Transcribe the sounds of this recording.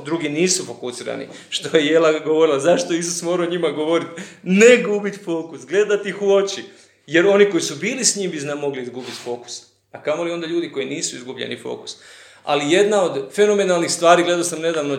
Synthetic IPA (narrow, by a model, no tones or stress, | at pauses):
d̪ɾuɡiniːsufo̞kusiːɾa̰nḭ | ʃt̪o̞jejelaɡo̞ʋo̞ɾilazaʃt̪oeisusmo̞ːɾaoɲimaɡo̞ʋo̞ɾit̪neɡubit̪fo̞ːkusɡle̞d̪at̪ixo̞t͡ʃi | je̞ɾo̞niko̞jisubiːlisɲiːmbiznamo̞ɡliizɡubit̪fo̞ːku̥s | akamo̞liod̪aʎuːd̪iko̞iniːsuizɡubʎḛnḭfo̞̰ːku̥s | a̰lije̞d̪naod̪fe̞no̞me̞nalˠnixst̪ʋaːɾiɡle̞d̪aosamned̪aːʋno